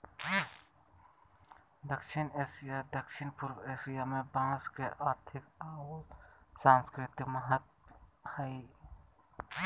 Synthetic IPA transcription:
d̪əkʃɪneːsijad̪əkʃɪnpʊɾweːsijamebãːskeʔaːɾt̪ʰɪkaː | sãːnskɾɪt̪ikməɦət̪̚ | həi

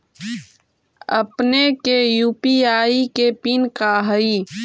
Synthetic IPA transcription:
ə̰pnekejuːpiaːikepinkaɦəi

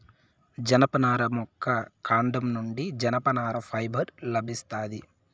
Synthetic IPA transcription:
d͡ʒɐnɐpɐnaːɾɐmɔkʰːɐkʰaːɳɖɐmnuɳɖid͡ʒɐnɐpɐnaːɾɐpʰɐjbʱɐɾlɐbʱist̪aːd̪i

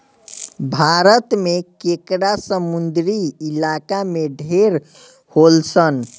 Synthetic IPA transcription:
bʱaɾət̪mekekɽasəmund̪ɾiilakameɖʱeɾ | holsən

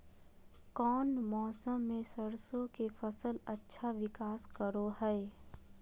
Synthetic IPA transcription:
kɔːnmɔːsəmːẽsəɾsõkefʰəsəlɐtːʃʰaʋɪkaːskəɾoɦɛe

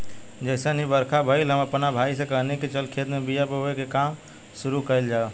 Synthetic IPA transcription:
d͡ʒəɪsənɦibəɾkʰabʱəɪlɦəməpnabʱaisẽkəɦniket͡ʃəlkʰet̪mebijapəɦoekekam | suɾukəld͡ʒa

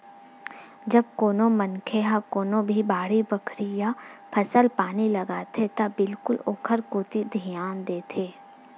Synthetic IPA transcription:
d͡ʒɐb̚koːnõmɐnkʰeɦakoːnõbʱibaːɽibɐkʰɾijapʰɐsəlpaːnilɐɡaːt̪ʰet̪ɐbɪlkʊloːkʰəɾkoːt̪id̪ʱijaːnd̪eːt̪ʰeː

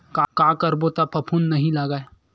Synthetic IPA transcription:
kakãːkɐɾbot̪apʰɐpʰuːnːɐɦĩlaɡae

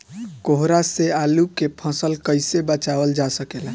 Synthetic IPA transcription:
koɦɾasealukepʰəsəlkəɪsebət͡ʃaʋəld͡ʒasəkela

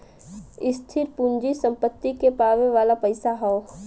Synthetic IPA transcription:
ɪst̪ʰɪɾpund͡ʒisə̃mpət̪ːikepaːʋeʋaːlapəɪsaɦɔː

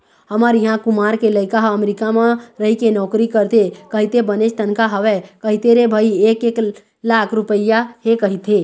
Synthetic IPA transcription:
ɦəməɾiɦãkumaɾkeləɪkaɦəmɾikamẽɾəɦikenɔkɾikəɾt̪ekəɦit̪ebənet͡ʃt̪ənkaɦəʋekəɦit̪eɾebʱəiekek | lakʰɾupəɪjaɦekəɦit̪e

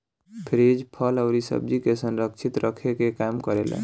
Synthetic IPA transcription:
pʰɾed͡ʒpʰələʊɾisə̰b̚d͡ʒikesənɾəkt͡ʃʰit̪ɾʔəkʰekekamkəɾelḛ

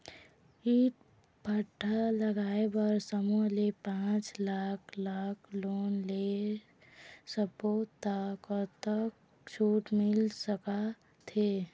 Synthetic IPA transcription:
iːʈ̚ | bʱəʈʰːaləɡaːebəɾsəmolepãːt͡ʃlaːkʰlaːkʰloːnle | səpot̪ːakəɾt̪ək | t͡ʃʰuːʈmɪlsəka | t̪ʰe

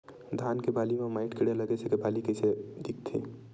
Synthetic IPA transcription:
d̪ʱaːnkebaːlimẽmaːɪʈkeɽeləɡesekebaːlikəɪsed̪ik̚t̪ʰḭ

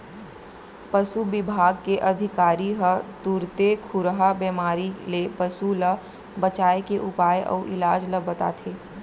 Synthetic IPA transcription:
pəsubɪbʱaːɡkeʔɐd̪ʱɪkaːɾiɦət̪uɾt̪ekʰuɾɦabɛːmaːɾilepəsulə | bət͡ʃaːekeʔʊpaːjʔɔ̰ːʔɪlaːd͡ʒləbɐt̪a̰ːt̪ʰeː

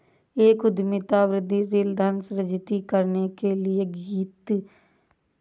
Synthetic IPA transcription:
eːkʊd̪mɪt̪aːʋɾɪd̪ːiːzɪld̪ənsɾəd͡ʒɪt̪iːkəɾneːkeːlɪeːɡiːt̪

